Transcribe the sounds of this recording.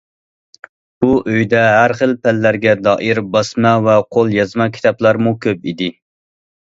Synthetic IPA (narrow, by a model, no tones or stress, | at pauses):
buʔøjd̪ɛɦæɾχəlˠpʰɛlːæɾɡʲɛd̪ɑːʔiɾbɑsmɑvɛqʰolˠjɑzmɑkʲʰi̥t̪ɑplˠɑɾmukʲʰøp̚id̪ɪ